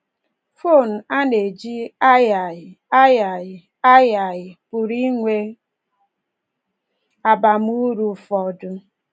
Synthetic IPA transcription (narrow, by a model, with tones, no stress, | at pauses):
fo˦˨n̩˨a˦ne˨d͡ʒi˦a˦ja˨ | a˦ja˨ | a˦ja˨jɪ˨pʊ˨ɾi˦ŋʷe˦ | a˨ba˨m˦u˦ɾu˦˨fɔ˨dʊ˦